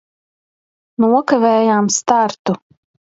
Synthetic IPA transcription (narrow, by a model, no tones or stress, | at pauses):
nuɔkavɛːjaːmst̪aɾt̪u